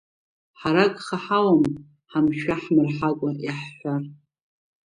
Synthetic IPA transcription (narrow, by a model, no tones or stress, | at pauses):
ħaɾakʼχaħawam | ħamʃaħmɨrħakʷʼajaħːʷar